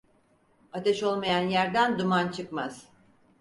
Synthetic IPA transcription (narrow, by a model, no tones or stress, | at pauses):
at̪ʰeʃo̞lˠmajanjæɾd̪ænd̪umant͡ʃʰɯkmaz̥